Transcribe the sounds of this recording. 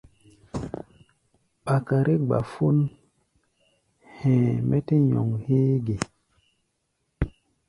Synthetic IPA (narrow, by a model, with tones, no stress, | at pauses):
ɓa˨ka˨ɾʔe˦ɡ͡ba̰˨fu˦n | hɛ̃˨mɛ˦te˦ɲo̰˨ŋheː˦ɡe˨